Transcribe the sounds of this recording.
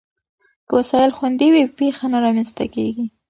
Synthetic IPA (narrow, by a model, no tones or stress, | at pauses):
kəwasɑjɪlxwand̪iwipexanaɾɑmanst̪akeɡi